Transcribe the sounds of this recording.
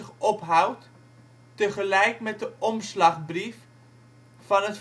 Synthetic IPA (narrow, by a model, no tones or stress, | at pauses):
əχɔpɦawtː | əχəlɛjkmɛt̚dəʔɔmslɑχbrif | fɑnət